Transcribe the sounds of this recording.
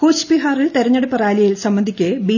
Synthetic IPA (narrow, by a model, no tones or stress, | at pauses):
koːt͡ɕpiɦaːriɭt̪eɾɐɲːɐɽupːɐraːlɐjilsɐmbɐnd̪ʱikʲːɨbiː